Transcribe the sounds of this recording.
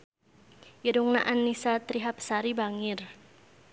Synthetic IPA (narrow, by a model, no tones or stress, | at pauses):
jiduŋna̰ʔanːisat̪ɾiɦap̚saɾibaŋɪr